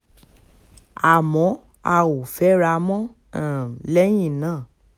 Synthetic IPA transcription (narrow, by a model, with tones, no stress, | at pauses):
a˨mɔ̃˨˦ | a̰˨wo˨fɛ˨˦ɾa˧mɔ̃˦˨ | lɛ˦j̃ĩ˦˨nãː˦˨